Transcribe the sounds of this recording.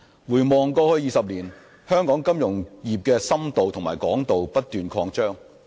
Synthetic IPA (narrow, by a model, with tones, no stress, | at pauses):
wuː˨˩jmɔː˨ŋkɔː˧hɵ˨˥jiː˨˧sɐ˨p̚liː˨˩n | hœː˥ŋkɔː˨˥ŋkɐ˥mjʊ˨˩ŋjiː˨˩p̚kɛː˧sɐ˥mt̪o˨wt̪ʰʊ˨˩ŋma̰ː˨˩jkɔː˨˥ŋt̪o˨wpɐ˥t̚t̪yː˨˧nkʰɔː˧ŋt͡ʃœː˥ŋ